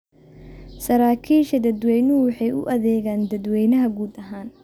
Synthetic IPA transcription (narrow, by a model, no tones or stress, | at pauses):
sɐɾaːkʰiːʃɐd̪ɐd̪wɛjnʊwɑħɑjʊ̰ʔɐðɛːɣaːnd̪ɐd̪wɛjnɐɦɐɡuːd̪ɐɦaːn